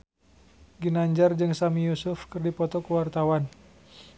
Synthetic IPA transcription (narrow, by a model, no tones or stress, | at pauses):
ɡinaɲd͡ʒard͡ʒɨŋsamijusʊfkɨrdipɔt̪ɔkəwart̪awan